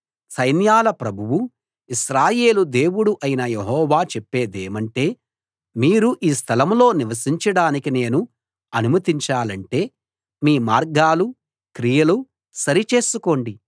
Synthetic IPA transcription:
sɐjnjaːlɐpɾɐbʱuwu | iʃɾaːje̞ːlud̪e̞ːwuɽuʔɐjinɐjeɦɔːʋaːt͡ʃɛpːe̞ːd̪eːmɐɳʈe̞ː | miːɾuʔiːst̪ʰɐlɐmlo̞ːniʋɐsiɲt͡ʃɐɽaːnikine̞ːnu | ɐnumɐt̪iɲt͡ʃaːlɐɳʈe̞ː | miːmaːɾɡaːlu | kɾijɐlu | sɐɾit͡ʃe̞ːsuko̞ːɳɖi

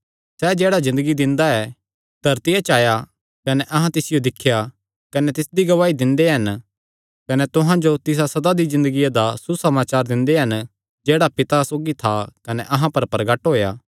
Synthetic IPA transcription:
sɛːd͡ʒɛːɽazɪ̃nd̪əɡid̪ɪ̃nd̪aɛː | d̪̥ʱɐɾt̪ijat͡ʃaːja | kɐnɛʔɐɦãt̪ɪsɪjod̪ɪkʰːja | kɐnɛt̪ɪsd̪iɡɐʋaːid̪ɪ̃nd̪eɦɐn | kɐnɛt̪ʊɦãd͡ʒot̪ɪs̬asɐd̪ad̪izɪ̃nd̪əɡijad̪asusɐmaːt͡ʃaːɾd̪ɪ̃nd̪eɦɐn | d͡ʒeːɽapɪt̪asoːɡit̪ʰakɐnɛʔɐɦãpɐɾpɾɐɡɐʈɦoːjaː

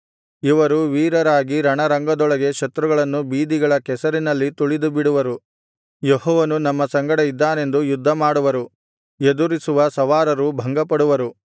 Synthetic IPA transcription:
iʋɐɾuʋiːɾɐɾaːɡiɾɐɳɐɾɐŋɡɐd̪ɔɭɐɡe̞ʃɐt̪ɾuɡɐɭɐnːubiːd̪iɡɐɭɐkɛsɐɾinɐlːit̪uɭid̪ubiɽuʋɐɾu | jeɦɔːʋɐnunɐmːɐsɐŋɡɐɽɐid̪ːaːne̞nd̪ujud̪ʱːɐmaːɽuʋɐɾu | ed̪uɾisuʋɐsɐʋaːɾɐɾubʱɐŋɡɐpɐɽuʋɐɾu

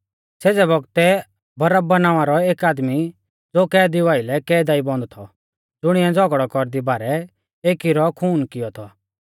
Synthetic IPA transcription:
seːd͡zɛbɔɡt̪ɛ | bɐɾəbbɐnaːʋãɾɔeːkaːd̪mi | d͡zoːkɛːd̪ɪʋaːɪlɛkɛːd̪aːibɔ̃nd̪ɔt̪ʰɔ̰ | d͡zʊɽ̃iɛ̃d͡zʱɔɡɽɔkɔɾd̪ibaːɾɛ | eːkiɾɔkʰuːnkɪjɔt̪ʰɔ

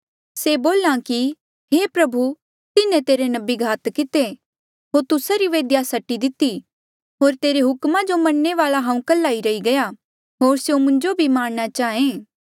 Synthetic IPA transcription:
seːboːlãki | ɦeːpɾɐbʱu | t̪ɪnẽt̪eːɾenɐbiɡʱaːt̪kɪt̪e | ɦoːɾt̪ʊsaɾiʋeːd̪jasɐʈːid̪ɪt̪ːi | ɦoːɾt̪eːɾeɦʊkmad͡ʒomɐnːeʋaːlaɦãːũkɐlːaːiɾɐiɡɐja | ɦoːɾsjomʊ̃ɲd͡ʒobʱimaːɽɽ̃at͡ʃaːẽː

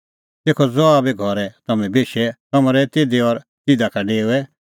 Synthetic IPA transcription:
t̪eːkʰɔd͡zɔabɛɡʱɔɾɛt̪ɐmɛ̃beːʃɛt̪ɐmɾɛt̪ed̪eɔːɾ | t̪ɪd̪akʰaɖeːuɛ

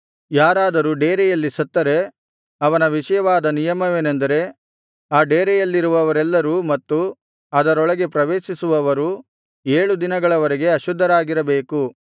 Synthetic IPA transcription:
jaːɾaːd̪ɐɾuɖeːɾɛjɐlːisɐt̪ːɐɾe̞ | ɐʋɐnɐʋiʂɐjɐʋaːd̪ɐnijɐmɐʋeːnend̪ɐɾe̞ | aːɖeːɾɛjɐlːiɾuʋɐʋɐɾɛlːɐɾuːmɐt̪ːu | ɐd̪ɐɾɔɭɐɡe̞pɾɐʋeːʃisuʋɐʋɐɾu | eːɭud̪inɐɡɐɭɐʋɐɾeɡe̞ɐʃud̪ʱːɐɾaːɡiɾɐbeːku

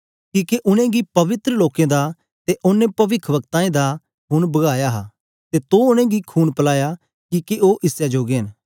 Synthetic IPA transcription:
kiːkeʔʊnẽɡipɐʋɪt̪ɾəloːkẽd̪a | t̪eʔʊnẽpɐʋɪkʰʋɐkt̪ãːẽd̪a | ɦʰʊnbɐɡaːjaɦa | t̪et̪oʊnẽɡikʰuːnpɐlaːja | kiːkeʔoːʔɪsjad͡ʒoːɡeɦn

